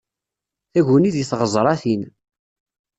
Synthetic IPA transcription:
θæʝəniðjiθʁəzˤɾˤɑθin

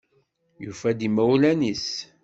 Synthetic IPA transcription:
jufæd̪imæwlænis

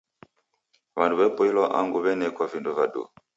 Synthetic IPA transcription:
βanduβɛpɔilɔʔa̰ŋɡuβɛnɛkwavinduvadṵ

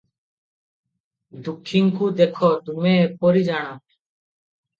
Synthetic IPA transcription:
d̪ukʰːiŋkud̪ekʰɔt̪umepɔɾid͡ʒaɽ̃a

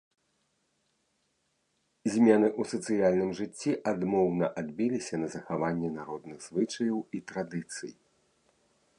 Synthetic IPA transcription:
zʲmʲɛn̪ɨʔusɐt̪sɨjalʲnɨmʐɨt͡sʲːiʔad̪mɔwnɐʔad̪bʲilʲisʲɐnɐzɐxavanʲːɛnaɾɔd̪̚nɨɣz̥vɨt͡ʂɐjɐwit̪ɾad̪ɨt̪sɨ̰j

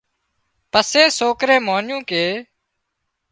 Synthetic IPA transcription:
pəseːsoːkɾẽːmoːnjũːkeː

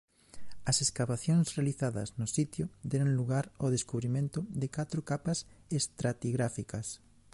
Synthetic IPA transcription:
ɐseskaβaθjoŋsrealiθaðɐ̰znʊsit̪jʊd̪ɛɾoŋluɣaɾoðeskuβɾimẽnt̪ʊðekat̪ɾokapɐsest̪ɾat̪iɣɾafikɐs

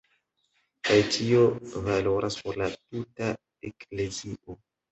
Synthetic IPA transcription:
kajtiovalo̞ɾʔaspoɾlatuta | ekle̞ziʔo

